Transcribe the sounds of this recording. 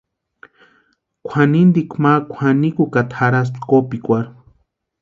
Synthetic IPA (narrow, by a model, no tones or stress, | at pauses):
kʷʰanind̪ikʷʰmakʷʰanikukat̪ʰaɾas̬t̪kopikʷaɾ